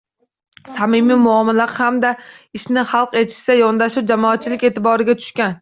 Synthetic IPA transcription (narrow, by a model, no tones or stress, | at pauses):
samɪmimʊɒmɪlaqhamd̪aɪʃnɪχɑlˠqe̞t̪ʰɪ̥sajɒnd̪aʃʊwd͡ʒamɒːt̪̚t͡ʃʰːɪlɪkʲe̞t̪ʰɪbɒɾɪɡʲat̪ʰʊ̥ʃkʲan